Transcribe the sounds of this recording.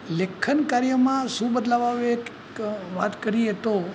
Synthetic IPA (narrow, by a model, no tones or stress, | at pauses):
lekʰːənkaɾjəmãʃũbəd̪laʋaʋek | ʋat̪kəɾiet̪o